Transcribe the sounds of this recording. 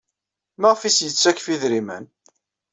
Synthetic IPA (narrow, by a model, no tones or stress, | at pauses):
məʁfisjət͡sːækfiðɾimæ̰n